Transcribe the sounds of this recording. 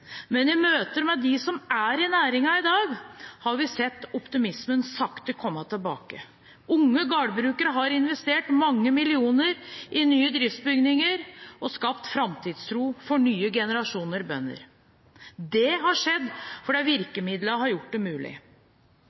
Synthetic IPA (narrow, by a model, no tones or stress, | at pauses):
mɛnɪmøːt̪əɾmɛd̪ɪsɔmæɾɪnæːɾɪŋɑɪd̪ɑːɡhɑɾʋɪsɛt̪ːɔpt̪ɪmɪsmənsɑkt̪əkʰɔmːɑt̪ʰɪlbɑ̰ːkə | ʊŋːəɡɑːɖbɾʉːkəɾəɦɑɾɪnʋɛst̪eːʈmɑŋːəmɪlɪuːnəɾʔɪnyːəd̪ɾɪft̪sbʏɡnɪŋəɾɔskɑpt̪fɾɑmt̪ʰiːd̪st̪ʰɾuːfɔɳyːəɡɛnəɾɑʂuːnəɾbœ̰nːə̰ɾ | d̪ɛɦɑʂɛd̪ːfɔɖɛʋɪɾkəmɪd̪ləɦɑɾjʊʈ̚ːd̪ɛmʉːlɪ̰